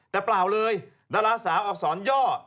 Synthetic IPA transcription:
t̪ɛː˨˩plaː˨˩wlɤː˧j | daː˧laː˧saː˩˦wʔɔː˨˩k̚sɔː˩˦njɔː˥˩

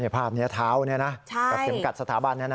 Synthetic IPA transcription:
ni˥˩ɐpʰaː˥˩p̚ni˦˥ɐt̪ʰaː˦˥wni˥˩na˦˥t͡ɕʰa˥a˨˩se˩˦mka˨˩t̪̚sa˧t̪ʰaː˩˦ba˧nːi˥˩ɐna˦

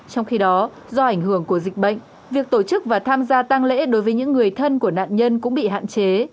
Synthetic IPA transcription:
t͡ɕɔ˧wŋ͡mxi˧ɗɔ˨˦ | zɔ˧ʔa˧˩jŋ̟ɦɨ˧˩əŋku˧˩əzi˨˩k̟̚ɓə̰˧˨jŋ̟ | vi˨˩ək̚t̪o˧˩t͡ɕɨ˦˥k̚vaː˨˩t̪ʰaː˧mzaː˧t̪a˧ŋlḛ˧˥ɗo˨˦jvəː˨˦jɲɨ̰˧˥ŋːɨ˨˩əjt̪ʰə˧nku˧˩əna̰ː˧˨nɲə˧nkʊ̰˧˥ŋ͡mɓḭ˧˨ɦa̰ː˧˨nt͡ɕe˨˦

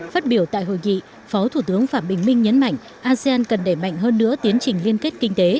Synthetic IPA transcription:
faː˦˥t̚ɓi˧˩əwt̪a̰ː˧˨jho̰˧˨jŋḭ˧˨ | fɔ˨˦wt̪ʰu˧˩t̪ɨ˨˦əŋfaː˧˩mɓï˨˩ŋ̟mï˧ŋ̟ɲə˨˦nma̰˧˨jŋ̟ | ʔaː˧zi˧aː˧nkə˨˩nɗe˧˩ma̰˧˨jŋ̟ɦəː˧nːɨ̰˧˥ət̪i˨˦ənt͡ɕï˨˩ŋ̟li˧ənke˦˥t̚kï˧ŋ̟t̪e˨˦

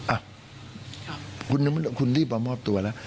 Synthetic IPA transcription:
ʔa˨ | ku˨ni˨m˦lku˨nli˦ba˨ma˦p̚t̪u˨a˨la˦

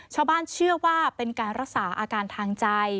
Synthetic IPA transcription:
t͡ɕʰaː˧wbaː˥˩nt͡ɕʰɯ˥˩ɐwaː˥˩pe˧nkaː˧nɾa˦˥k̚saː˩˦ʔaː˧kaː˧nt̪ʰaː˧ŋt͡ɕa˧j

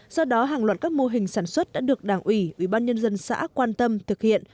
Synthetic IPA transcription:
sɔ˧wɗɔ˨˦ɦaː˨˩ŋlwaː˨˩t̚kaː˦˥k̚mo˧ɦï˨˩ŋ̟saː˧˩nswə˦˥t̚ɗa̰ː˧˥ɗɨ˨˩ək̚ɗaː˧˩ŋʔwi˧˩ʔwi˧˩ɓaː˧nɲə˧nzə˧nsa̰ː˧˥kwaː˧nt̪ə˧mt̪ʰɨ˨˩k̚hḭ˧˨ən

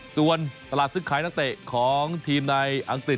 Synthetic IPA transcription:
su˨˩ənt̪a˧laː˨˩t̪̚sɯ˦˥˩kʰaː˨˦j̪a˥ŋt̪ɛː˨˩kʰɔː˩˦ŋt̪ʰiː˧mna˧jʔa˧ŋk̪i˨˩

